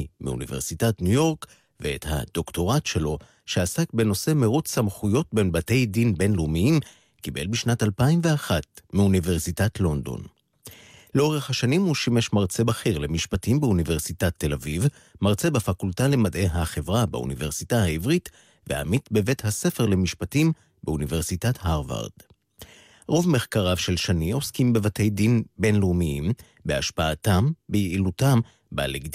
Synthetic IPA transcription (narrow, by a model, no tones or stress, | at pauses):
mḭṵnḭveʁsitatnujo̞ʁk | veetha̰d̥̪o̞kto̞ʁatʃe̞lo̞ | ʃeasak̚be̞no̞se̞meʁot͡ssamχujo̞t̚be̞nbate̞jdinbe̞nlumiim | kibḛlbiʃnatalpaimveaχatmiunive̞ʁsitatlo̞nd̪o̞̰n | leo̞ʁeχhaʃanimhuʃimeʃmaʁt͡se̞baχeʁlemiʃpatimbeunive̞ʁsitatːe̞laviv | maʁt͡se̞bafakultale̞madʔe̞jɦaχe̞vʁaba̰ṵnive̞ʁsitahaivʁit | veha̰mit̪be̞vethase̞fe̞ʁle̞miʃpatim | beunive̞ʁsitathaʁva̰ʁd̥ | ʁo̞vme̞χkaʁavʃe̞lʃanio̞skimbe̞vate̞jdinbe̞nlumiim | beaʃpaatambejeilutam | ba̰leɡd